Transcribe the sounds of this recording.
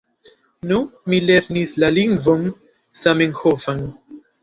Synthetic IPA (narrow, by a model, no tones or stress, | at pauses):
numileɾnislaliŋɡvom | sameŋxofan